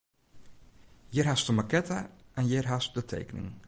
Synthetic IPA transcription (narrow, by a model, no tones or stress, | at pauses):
jɪrɦastəmakɛtaʔɛnjɪrɦastdətʰḛjkənɪ̰ŋ